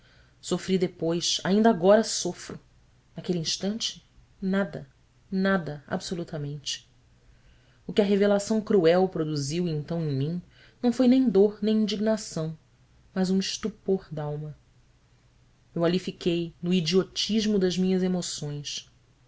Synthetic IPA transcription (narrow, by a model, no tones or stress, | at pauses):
sofɾid̪epojsaĩnd̪aɡɔɾɐsofɾʊ | nakeliĩʃt̪ɐ̃nt͡ʃɪ̥ | nad̪ɐ | nad̪ɐa̰bsolut̪ɐmẽnt͡ʃɪ̥ | ʊkɪɐɦevelasɐ̃w̃kɾuɛwpɾod̪uziwẽnt̪ɐ̃w̃ẽj̃mĩ | nɐ̃w̃fojnẽj̃d̪oɾnẽj̃ĩd͡ʒiɡnasɐ̃w̃ | mɐzũɪʃt̪upoɾd̪awmɐ | ewalifikejnʊid͡ʒiot͡ʃiʒmʊd̪ɐzmĩɲɐzemosõj̃s